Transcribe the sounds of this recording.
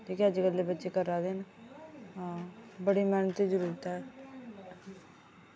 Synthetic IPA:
ʈʰiːkeəd͡ʒɡəlːebətːʃekəɾaːd̪eːna | bəɽimɛːnt̪id͡ʒəɾuːɾt̪aɛː

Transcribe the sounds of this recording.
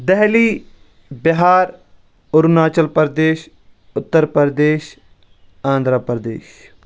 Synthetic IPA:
d̪ɛɦliː | bɪɦaːɾ | ʊɾunaːt͡ʃəlpəɾd̪eːʃ | ʊt̪ːəɾpəɾd̪eːʃ | ãːnd̪ɾaːpəɾd̪ḛːʃ

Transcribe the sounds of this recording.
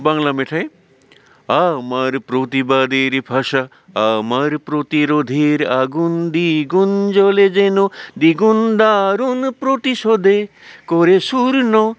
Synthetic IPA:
baŋlameʈʰaj | amaɾpɾot̪ibad̪eɾipʰasa | amaɾpɾot̪iɾod̪ʱiɾaɡund̪iɡund͡ʒɔled͡ʒenud̪iɡund̪aɾunpɾot̪isod̪e | kɔɾesuɾnɔ

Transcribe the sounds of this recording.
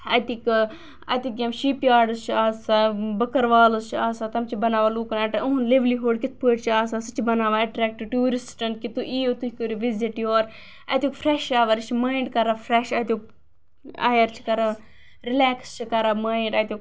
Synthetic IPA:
ɐt̪ik | ɐ̰t̪ik̚jʲɐmʃiːpjaːɖɨst͡ʃʰiaːsabɐkɐɾʋaːlɐzt͡ʃʰiaːsat̪ɐmt͡ʃʰibɐnaːʋaluːknaːʈɐuɦunleʋliɦoːɖkit̪̚ʰpuʈt͡ʃʰiaːsasɨt͡ʃʰibɐnaːʋaɐʈɾɛːk̚ʈʈuːɾisʈɐnkit̪uʔiːot̪uhʲikoɾiʋiziʈjoːɾ | ɐ̰t̪ʲukfʰɾɛːʃaːʋɐɾt͡ʃʰimaːiɳɖkɐɾafʰɾɛʃɐt̪ʲuk | a̰ːjɐɾt͡ʃʰi̥kɐɾa | ɾilɛːkst͡ʃʰikɐɾamaːiɳɖɐt̪ʲuk

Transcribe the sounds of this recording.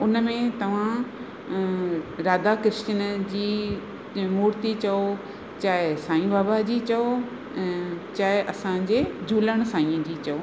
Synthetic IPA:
ʊnəmẽt̪ɐʋ̤ã | ɾaːd̪akɪɾɪʃt͡ɕənd͡ʑiː | muːɾt̪it͡ɕɐo | t͡ɕaːɦɪsaːĩbaːbad͡ʑiːt͡ɕɐõ | t͡ɕaːɦɪʔɐsãd͡ʑeːd͡ʑʱuːləɽ̃saːĩə̃d͡ʑiːt͡ɕɐoː

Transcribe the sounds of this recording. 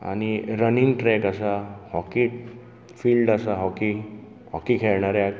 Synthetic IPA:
a̰ñiɾəninʈɾɛkasahɔkiʈ | fiːlɖasaɦɔki | ɦɔkikʰɛɭɳaɾjak

